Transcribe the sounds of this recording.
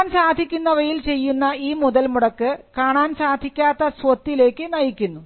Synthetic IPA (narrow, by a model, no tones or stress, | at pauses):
nsaːd̪ʱikʲːunːɐʋɐjilt͡ɕe̞jːunːɐiːmuðɐlmuɽɐkːɨkaːɳaːnsaːd̪ʱikʲːaːt̪ːɐsʋot̪ːile̞ːkːɨnɐjikʲːunːu